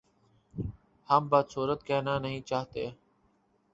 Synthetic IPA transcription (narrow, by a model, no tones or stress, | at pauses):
hambat̪suːɾət̪keːnaːnəɦĩːt͡ʃaːɦt̪ḛː